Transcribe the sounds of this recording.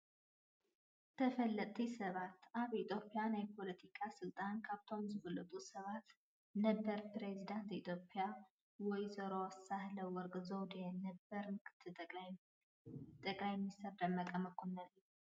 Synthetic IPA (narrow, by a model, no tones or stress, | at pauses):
t̪ʰəfəlːət̪ʰːisəβat̪ːʔaβit̪ʰʼjo̞pʼːjanajɛpʰo̞lət̪ʰikʰasɨlt̪ʼankʰaβt̪ʰonzɨfəlːət̪ʼusəβat̪ | nəbːəɾpɾezid̪ant̪it̪ʰjopʼːɪja | wɔjzəɾoasahləwɔɾɡzəwd̪ejɛnəbːəɾmɨkʰɨ̥t̪ʰːɨ | t̪ʼəkʼlajmisəɾd̪əmːəkʼəməkʰːonːəl